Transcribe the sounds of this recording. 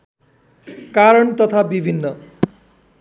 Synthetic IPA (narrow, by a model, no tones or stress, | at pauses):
kaɾʌɳt̪ʌt̪ʰabibʱinːʌ